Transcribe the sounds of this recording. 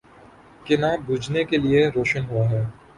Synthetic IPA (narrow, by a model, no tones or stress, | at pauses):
kɪnaːbʱʊd͡ʒnekelieɾoːʃənɦuaɦɛː